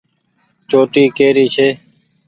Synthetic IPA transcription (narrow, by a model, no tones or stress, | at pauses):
t͡ʃoːʈiːkeːɾiːt͡ʃʰeː